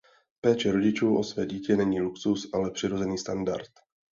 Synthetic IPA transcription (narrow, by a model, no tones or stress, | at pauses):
pɛːt͡ʃɛɾo̞ɟɪt͡ʃuːʔo̞svɛːɟiːcɛnɛɲiːluksusʔalɛpr̥ɪɾo̞zɛniːst̪anda̰ɾt̪